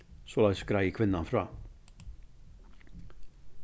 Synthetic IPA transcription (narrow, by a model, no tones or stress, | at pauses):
solaɡskɾajkʰʋɪnːanfɾɑː